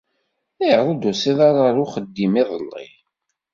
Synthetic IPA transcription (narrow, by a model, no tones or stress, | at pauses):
iðˤud̪usiðˤaɾɾʊχəd̪ːimiðˤəlːḭ